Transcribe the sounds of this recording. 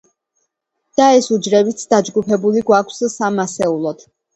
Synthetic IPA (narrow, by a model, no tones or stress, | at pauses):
d̪̥aɛsud͡ʒɾɛbit̪sʰd̪ad͡ʒɡupʰɛbuliɡwakʰssamasɛulˠɔd̪̥ʰ